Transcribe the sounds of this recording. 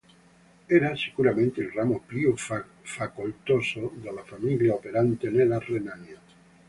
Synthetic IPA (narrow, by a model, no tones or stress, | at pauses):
eɾaseɣuɾamẽnt̪eːlramopɾio | fakult̪osoðelafamiljaopeɾant̪enelarenanja